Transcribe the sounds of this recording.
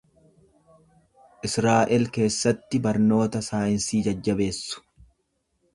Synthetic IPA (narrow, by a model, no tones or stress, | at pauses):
ʔɪsɾaːʔɛlke̞ːsːɐt̪ːɪbɐɾno̞ːt̪ɐsaːjɪnsiːd͡ʒɐd͡ʒːɐbe̞ːsːʊ̥